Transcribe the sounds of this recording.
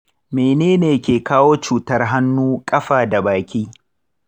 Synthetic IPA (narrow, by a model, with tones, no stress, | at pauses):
meː˨neː˦neː˨kʲeː˨kaː˦woː˦t͡ʃuː˨tɐ˦rɦa˦nːuː˦kʼɐ˦ɸaː˨da˨baː˨kʲiː˦